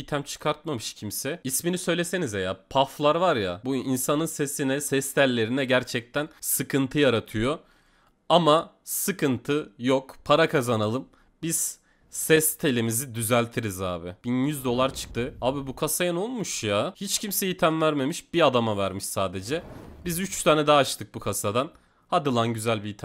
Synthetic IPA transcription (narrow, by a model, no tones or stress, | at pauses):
it̪ʰæmt͡ʃʰɯ̥kʰaɾt̪̚mamɯʃcʰimsɛisminisø̞jlʲese̞nizejapʰaflˠaɾvaɾjabuinsanɯnse̞sinɛsɛst̪ʰælʲːe̞ɾinɛɟæɾt͡ʃʰɛc̚t̪ʰænsɯkɯnt̪ʰɯjaɾat̪ʰɯjo | ama | sɯkʰɯnt̪ʰɯjokpʰaɾakʰazanalˠɯm | biz̥ | sɛst̪ʰe̞lʲimizid̪yzælʲt̪ʰiɾizaːbɪb̥injyzd̪o̞lˠaɾt͡ʃʰɯ̥k̚t̪ʰɯaːbibukʰasajano̞lˠmuʃjahit͡ʃcʰimsɛjit̪ʰæmvæɾme̞miʃb̥iad̪amavæɾmiʃsaːd̪e̞d͡ʒɛbizyt͡ʃt̪ʰaːnɛd̪ɛːʃt̪ʰɯk̚bukʰasad̪an | had̪ɯlˠanɟyzælʲbiit̪ʰ